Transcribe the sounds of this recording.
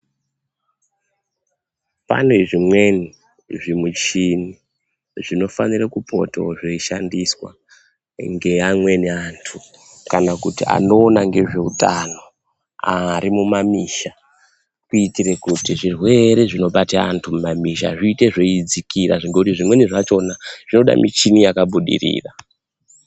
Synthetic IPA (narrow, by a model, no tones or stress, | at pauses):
pa̰ne̞ʐimwe̞ni | ʐimut͡ʃini | ʐino̞fanirekupo̞̰to̰ʐeiʃandiswa̰ | ŋɡe̞amwe̞neantʰu | kanakutia̰no̞ːnaŋɡe̞ʐe̞utano̞ | aɾimumamiʃa | kuitiɾekutiʐirwe̞ɾe̞ʐino̞ɓataantʰumumamiʃa̰ʐiːte̞ʐeid͡zikiɾa̰ʐiŋɡekutiʐimwe̞niʐat͡ʃo̞naʐ̥ino̞ɗa̰mḭt͡ʃinijakaɓuɗḭrḭːra